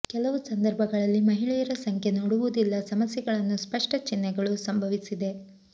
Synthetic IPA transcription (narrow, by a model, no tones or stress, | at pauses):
kɛlɐʋusɐnd̪ɐɾbʱɐɡɐɭɐlːimɐɦiɭɛːjɐɾɐsɐŋkʰjenoɽuʋud̪ilːɐsɐmɐsjɛɡɐɭɐnːuspɐʂʈɐt͡ʃinːɛɡɐɭusɐmbʱɐʋisid̪e̞